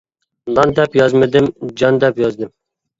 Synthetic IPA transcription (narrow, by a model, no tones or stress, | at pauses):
lɑnd̪ɛpjɑzmɨd̪ɪmd͡ʒɑnd̪ɛpjɑzd̪ɪm